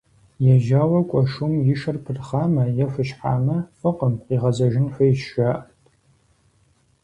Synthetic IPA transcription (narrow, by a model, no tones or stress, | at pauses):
jɛʒaːwɐkʷʼɔʂumjɪʃɐrpʰɨrχaːmɐjɛfɨɕħaːmɐfɨqəmqiːʁɐzɐʒɪnħʷɐjʃaʔtʼ